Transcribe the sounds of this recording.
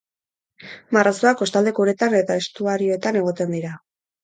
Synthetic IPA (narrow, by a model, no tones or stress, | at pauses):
maraso̞ako̞st̪ald̪e̞kuɾe̞t̪ane̞t̪ae̞st̪uaɾio̞et̪ane̞ɣ̞o̞t̪e̞nd̪iɾa